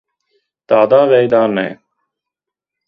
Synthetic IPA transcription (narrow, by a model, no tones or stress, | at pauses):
t̪aːd̪aːʋeːjd̪aːnḛː